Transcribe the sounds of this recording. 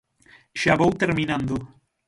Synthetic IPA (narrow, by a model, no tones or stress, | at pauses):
ʃaβowt̪eɾminãnd̪u